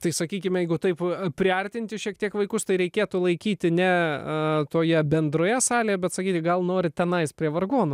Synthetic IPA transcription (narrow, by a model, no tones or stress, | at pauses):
t̪ɐɪsɐkʲiːkʲɪmʲjɛɪɡʊt̪ɐɪppʲɾʲɪɐrʲt̪ʲɪnʲt̪ʲɪʃʲiɛk̚t̪ʲiɛkʋɐɪkʊst̪ɐɪɾʲɛɪkʲeːt̪ʊlˠɐɪkʲiːt̪ʲɪnʲɛ | t̪oːjɛbʲɛnd̪ɾoːjɛsɑːlʲeːjɛbʲɛt̪sɐkʲiːt̪ʲɪɡɐlˠnoːɾʲɪt̪ʲɛnɐɪspʲɾʲiɛʋɐrɡoːnʊ